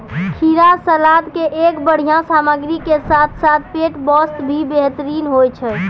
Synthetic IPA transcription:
kʰiɾasəlad̪keʔekbəɽ̤ijãsaməɡɾikesat̪ʰsat̪̚ʰpeʈbɔsʈbʱibeɦt̪əɾinɦojt͡ʃʰə

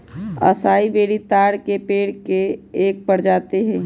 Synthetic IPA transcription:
ə̰saːibeːɽit̪aːɽkepeːɽkeːk̚pəɽd͡ʒaːt̪eɦɛ̃

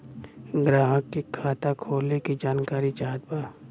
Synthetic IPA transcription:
ɡɾaːɦəkːikʰaːt̪akʰoːlekid͡ʒaːnkaːɾit͡ʃaːɦəd̪baː

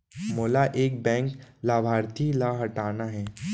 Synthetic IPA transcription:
moːlaʔeːk̚bɛ̃ːŋklaːbʱaːɾt̪ʰilaɦɐʈaːnaɦɛː

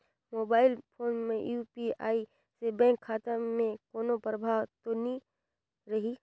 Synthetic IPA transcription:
moːbaːɪlpʰoːnmẽjuːpia̰ːi | sebɛ̃ːŋkʰːaːt̪amẽkoːnopɾəbʱaːwt̪oni | ɾɐɦi

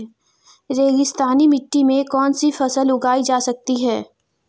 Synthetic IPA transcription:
ɾeːɡɪst̪aːnimɪʈːimẽkɔːnsifɐsəlʊɡaːid͡ʒaːsɐk̚t̪iɦɛː

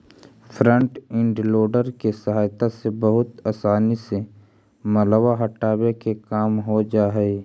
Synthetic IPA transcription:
fʰɾə̃ɳʈɪ̃ɳɖloːɖəɾkesɐɦaːjt̪asebɐɦʊt̪aːsaːnise | mɐləwaɦɐʈaːwekekaːmɦod͡ʒaːɦɛ

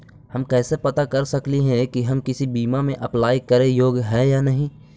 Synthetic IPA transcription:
hɐmkɛːsepɐt̪akɐɾsɐkliɦɛ̃kiɦɐmkɪsibiːmamẽʔɐplaːikɐɾejoːɡɦɛːjanɐɦĩ

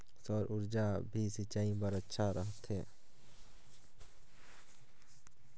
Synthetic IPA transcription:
sɔɾʔʊɾd͡ʒabʱisɪt͡ʃaːĩbəɾətːʃʰaɾəɦt̪ɦẽː

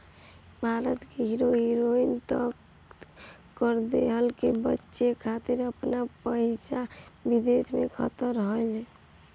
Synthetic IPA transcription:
bʱaɾət̪keɦiɾoɦiɾoint̪ək | kəɾd̪ḛɦəlkebətːʃekʰat̪iɾəpnapəɪsabid̪esmḛkʰə̰t̪əɾɦoɪl

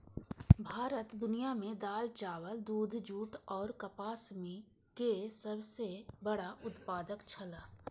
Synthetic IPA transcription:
bʱaːɾət̪d̪ʊnijamẽd̪aːlt͡ʃaːʋəld̪uːd̪ʱd͡ʒuːʈɔːɾkɐpaːsmi | kesɐbsebəɽaʔʊt̪paːd̪əkt͡ʃʰɐlaː

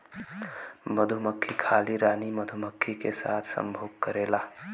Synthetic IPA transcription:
məd̪ʱuməkʰːikʰaːliɾaːniməd̪ʱuməkʰːikesa̰ːt̪ʰsə̰mbʱoːɡ̚kəɾeːlaː

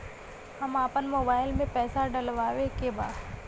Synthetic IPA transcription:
hɐmaːpənmoːbaːɪlmẽpɛːsaɖɐlʋaːʋekeba̰ːd̪

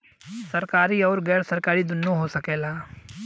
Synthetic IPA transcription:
sɐɾkaːɾiɔːɾɡɛːɾsɐɾkaːɾid̪ʊnːoɦosɐkeːlaː

